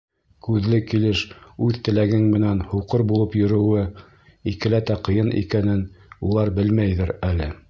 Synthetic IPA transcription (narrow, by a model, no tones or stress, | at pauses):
kʉðlɘkilɘʃʉðt̪ɘ̆læɡɘŋmɘ̆nænhuqɤɾbulˠɤpjɵ̆ɾɵ̆wɘ | ikɘ̆læt̪æqɤ̆jɤnʔḭkænɘnulˠɑɾbɘlmæjðɘɾælɘ